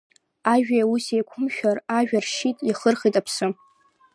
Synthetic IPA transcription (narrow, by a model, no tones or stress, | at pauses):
aʒᶣausejkʷʰʊmʃᶣaraʒᶣarʂitʼiχərχitʼapʰsɨ